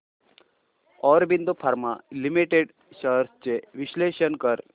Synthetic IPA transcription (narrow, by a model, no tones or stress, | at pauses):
ɔːɾbind̪upʰaɾmalimiʈeɖ | ʃəɾst͡ɕeʋiɕleːʃənkəɾ